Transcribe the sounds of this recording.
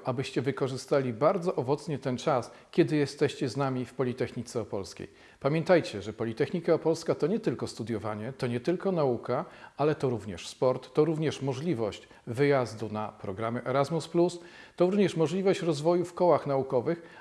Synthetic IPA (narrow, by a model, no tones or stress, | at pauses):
ʔabɘɕt͡ɕɛvɘkɔʐɘst̪alʲibaɾd̪zɔʔɔvɔt̪sɲɛt̪ɛnt͡ʂas | kʲɛd̪ɘjɛst̪ɛɕt͡ɕɛznamʲifpɔlʲit̪ɛxɲit̪sɛɔpɔlskʲḛj | pamʲjɛnt̪ajt͡ɕɛʐɛpɔlʲit̪ɛxɲikaɔpɔlskat̪ɔɲɛt̪ɘlkɔst̪ud̪ʲjɔvaɲɛt̪ɔɲɛt̪ɘlkɔnaukaalɛt̪ɔɾuvɲɛʂspɔɾt̪ːɔɾuvɲɛʂmɔʐlʲivɔɕt͡ɕ | vɘjazd̪unapɾɔɡɾamɛʔɛɾazmusplust̪ɔɾuvɲɛʂmɔʐlʲivɔɕt͡ɕɾɔzvɔjufkɔwaxnaukɔvɘx